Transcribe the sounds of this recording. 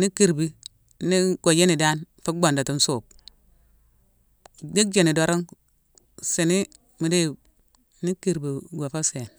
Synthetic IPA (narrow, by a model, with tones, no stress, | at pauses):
ni˦kːi˦ɾbi˦ | ni˦ɡo˨je˦ni˨da˦nfu˦ɡ͡bo˨nda˨ti˦n˦suː˨p̚ | di˦k̚d͡ʒe˦˨ni˨do˨ɾi˦ŋ | se˨ni˦ | mi˨de˦˨˦ | ni˦ki˨ɾbi˨ɡʷo˨fo˦se˨n